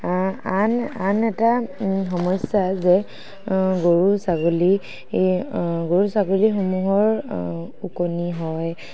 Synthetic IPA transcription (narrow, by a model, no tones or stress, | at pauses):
ananɛtaxɔmɔsazɛ | ɡoɹusaɡoli | ɡoɹusaɡolixomuɦɔɹ | ukoniɦɔj